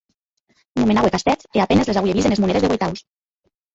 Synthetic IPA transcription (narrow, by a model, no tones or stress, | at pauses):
numenawekast̪ɛt͡seapenezlezaɣujeɾizenezmuneɾezðewejt̪aws